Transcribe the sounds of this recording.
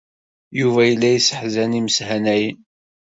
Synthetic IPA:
juvæjəlːæjisə̥ħzæniməshænæjən

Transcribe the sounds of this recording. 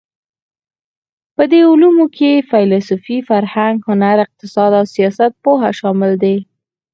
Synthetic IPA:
pəd̪eʊlumokʰefɑjlɑsʊfifaɾhaŋɡhʊnaɾɪq̚t̪ɪsɑd̪awsijɑsat̪̚poɦaʃɑmɪld̪e

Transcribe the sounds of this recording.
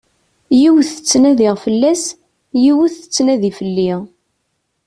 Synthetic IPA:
jiwθə̥t͡sːnæðiʁfəlːæs | jiwuθə̥t͡sːnæðifəlːiʁ

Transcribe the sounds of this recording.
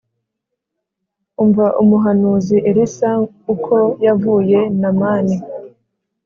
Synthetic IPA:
uɱvaʔumuɦanuːziʔeɾisa | ukʰo̞javuːje̞namaːni

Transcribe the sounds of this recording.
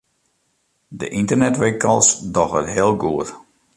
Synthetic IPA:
dəʔintərnɛtʋekəlˠsdɔxə̰tɦeəlˠɡuət

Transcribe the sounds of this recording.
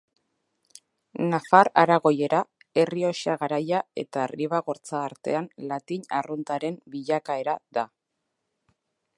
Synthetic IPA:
nafaɾaɾaɣo̞je̞ɾa | e̞rio̞siaɣaɾajae̞̰t̪ariβaɣo̞ɾt͡saːɾt̪e̞̰anlat̪iɲarunt̪aɾe̞mbiʎakae̞ɾaða

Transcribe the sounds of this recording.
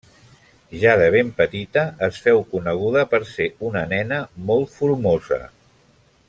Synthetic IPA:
ʒaðəβ̞empət̪it̪əːsfɛwkunəɣ̞uðəpəɾseunənɛnəmɔlˠt̪fuɾmozə̰

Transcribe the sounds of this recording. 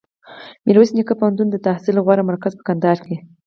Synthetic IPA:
miɾwusinikapahant̪und̪ət̪ahsilɣwaɾamaɾkazpə̥kand̪ɑɾke

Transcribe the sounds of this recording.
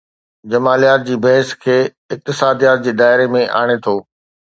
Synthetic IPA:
d͡ʑɐmaːlijaːt̪̚d͡ʑiːbɐɦɪskʰeː | ɪk̚t̪ɪsaːd̪ijaːt̪̚d͡ʑeːd̪aːɪɾemẽʔa̰ːɽ̃et̪ʰoː

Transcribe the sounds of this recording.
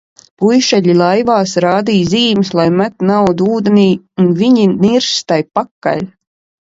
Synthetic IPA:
pujʃɛʎilˠajvaːsɾaːd̪iːziːmɨslˠajmat̪nawd̪uuːd̪eniː | unviɲiniɾst̪ajpakːa̰lʲ

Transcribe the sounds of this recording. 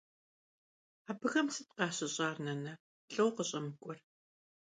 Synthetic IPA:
aːbɨɣɐmsɨt̚qɑːɕɪɕʼɑːrnɐnɐ | ɬʼɐwqəɕʼɐmɨkʷʼɔr

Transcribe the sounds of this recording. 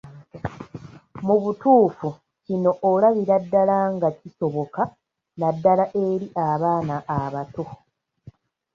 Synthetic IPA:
muβutuːfu | cino̞ʔolaβiɾadːalaŋɡaciso̞βo̞ka | nadːalaʔe̞ɾiʔaβaːnaʔːβato

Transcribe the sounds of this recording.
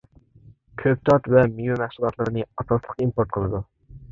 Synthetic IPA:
kʲʰøp̚t̪ʰɑt̪vɛmijumæχsulˠɑt̪lˠɨɾɨnɨɑsɑslˠəqimpoɾt̪̚qʰəlˠɨd̪u

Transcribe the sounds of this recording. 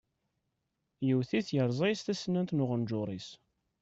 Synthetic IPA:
jəwθiθjəɾˤzˤɑjst̪æsnænt̪nʊʁənd͡ʒʊɾˤis

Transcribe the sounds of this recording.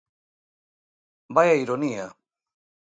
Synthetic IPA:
bajaiɾonia

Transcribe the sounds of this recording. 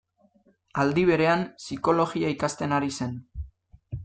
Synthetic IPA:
ald̪iβe̞ɾe̞ansiko̞lo̞ɣiaikast̪e̞naɾise̞n

